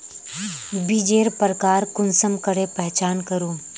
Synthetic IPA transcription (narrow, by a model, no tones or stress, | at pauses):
bid͡ʒeːɾpɾəkaːɾkʊnsəmkəɾepɛɦt͡ʃaːnkəɾoː